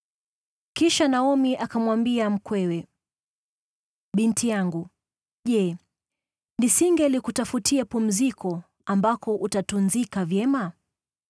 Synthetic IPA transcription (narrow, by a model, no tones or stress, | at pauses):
kiʃanaɔmiʔakamwambiam̩kwɛwɛ | ɓintʰijaŋɡu | ʄɛ | nisiŋɡɛlikutafutiɛpum̩zikʰɔ | ambakɔʔutatunzikavjɛma